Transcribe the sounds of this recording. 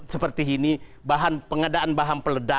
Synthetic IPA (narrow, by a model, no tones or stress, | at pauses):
səpərt̪iːni | baɦanpəŋadaʔanbaɦanpələda